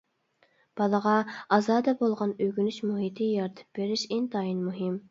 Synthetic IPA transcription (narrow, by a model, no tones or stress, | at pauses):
b̥ɑlˠəʁɑɑzɑːd̪ɛbolˠʁɑnøɡʲynyʃmuɦit̪ʰɪjɑɾt̪ʰɨ̥p̚b̥eɾɪʃent̪ɑjinmuɦɪm